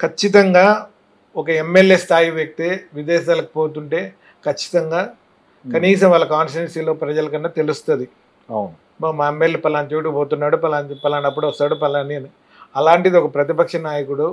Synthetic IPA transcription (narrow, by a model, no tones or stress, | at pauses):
kʰɐt͡ʃːit̪̬ɐŋɡaː | ɔkɐemːeljeːst̪ʰaːjiʋek̚t̪eːʋid̪ɛːʃaːlɐkipoːt̪̬uɳʈe̞ː | kʰɐt͡ʃːi̥t̪ɐŋɡaː | kɐniːs̬ɐmʋaːɭːɐkaːnfɾensiːlo̞ːpɾɐd͡ʒɐlɐkɐnːɐt̪e̞lust̪ond̪i | wn | maːemːeljeːpɐlaːnt̪eːʈ̬ukpoːt̪unːaːɽupɐlaːnipɐlaːnɐp̬ːuɽʋɐst̪aːɽupɐlaːninu | ɐlaːɳʈid̪iɔkɐpɾɐt̪ipɐkʂɐnaːjɐkuɽu